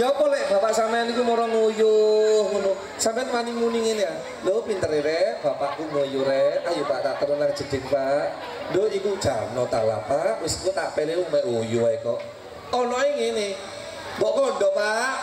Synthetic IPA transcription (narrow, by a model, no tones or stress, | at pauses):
jɔpɔlɛʔb̥apaʔsamaanikumɔɾɔnojuhunu | sampɛanmaniŋmuniŋinia | dopint̪əɾiɾɛb̥apaʔkuməjuɾɛajupaʔt̪aʔk̪əɾənaŋ̥d͡ʒ̥əd̪̥ɪŋpaʔ | ndoiku̥ʒ̥a̰nɔt̪ala̰paʔmʊsikut̪aʔpɛɾeumɛʔwojuaikɔʔ | ɔnɔeŋenɪ | bɔʔkɔndɔpaʔʔ